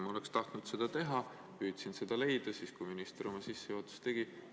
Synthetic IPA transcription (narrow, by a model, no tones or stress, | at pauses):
mɑo̞lekst̪ɑht̪nud̪̥se̞d̪̥ɑt̪e̞ɦɑ | pyːt̪sinse̞d̪̥ɑle̞jd̪̥ɑsiːskujminist̪eɾo̞mɑsisːejuːt̪ːu̥st̪e̞ɡ̥i